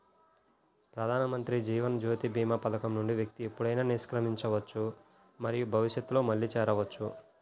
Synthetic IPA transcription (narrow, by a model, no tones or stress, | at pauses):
pɾɐd̪ʱaːnɐmɐnt̪ɾid͡ʒiːʋɐnd͡ʒoːt̪ibʱiːmaːpɐd̪ɐkɐmnuɳɖiʋjɐk̚t̪iepːuɽɐjnaːniɾʂkɾɐmiɲt͡ʃɐʋɐt͡ʃːu | mɐɾijubʱɐʋiʂjɐt̪ːulo̞ːmɐɭːiːt͡ʃɛːɾɐʋɐt͡ʃːu